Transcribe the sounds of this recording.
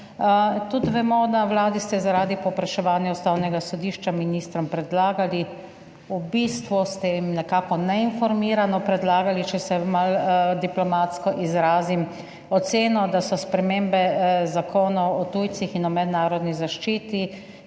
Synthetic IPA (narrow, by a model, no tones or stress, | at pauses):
t̪ut̪ʋɛmɔd̪awlaːd̪ist̪ɛzaɾaːd̪ipɔpɾaʃɛʋaːnjɛɔst̪aːwnɛɡasɔd̪iːʃt͡ʃaminiːst̪ɾɔmpɾɛd̪laːɡali | ubiːst̪ʋust̪ɛimnɛkaːkɔnɛinfɔɾmiːɾanɔpɾɛd̪laːɡalit͡ʃɛsɛmald̪iplɔmat̪skɔʔizɾaːzim | ɔt̪seːnɔd̪asɔspɾɛmeːmbɛzakʰoːnɔwɔt̪uːjt̪sixinɔmɛd̪naːɾɔd̪nizaʃt͡ʃiːt̪i